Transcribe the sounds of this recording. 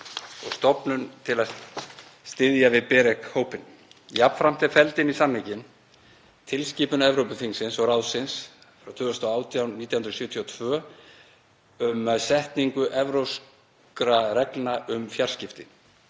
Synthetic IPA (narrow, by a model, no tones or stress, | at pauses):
ɔɣst̪ɔpnʏnt̪ʰɪla | st̪ɪðjavɪðpɛːɾɛkhoːwpɪn | jap̪fɾam̥t̪ʰɪ̥fɛlt̪ɪnisamlːicɪn | t̪ʰɪlsciːpʏnɛvɾowpʏfiŋsɪnsɔɣrawðsɪns | fɾawt̪ʰʏːɣʏst̪ʰɔaːwt̪ʰjawniːt̪jawhʏnɾsjʏːt̪ʰiɔt̪ʰvœː | ʏmaðsɛht̪niŋkʏʔɛvɾows | kɾaɾɛknaʔʏmfjar̥scɪft̪ɪ